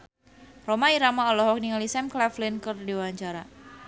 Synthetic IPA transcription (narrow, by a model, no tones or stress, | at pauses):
romaiɾamaɔlɔɦɔk̚niŋalisɛmklɛflɪnkɨrdiwaɲt͡ʃaɾa